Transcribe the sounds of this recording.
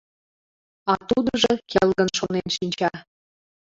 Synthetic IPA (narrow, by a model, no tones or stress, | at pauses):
ɑt̪ud̪əʒĕkʰelɣənʃonenʃinʲt͡ɕɑ